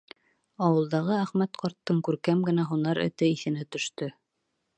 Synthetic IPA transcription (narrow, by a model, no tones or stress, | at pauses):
ɑwɤ̆lˠd̪ɑʁɤæχmæt̪qɑɾt̪ːɤŋkʉɾkæmɡɘ̆næɦunɑɾɘ̰̆t̪ɘiθɘ̆nɘt̪ɵ̆ʃt̪ɵ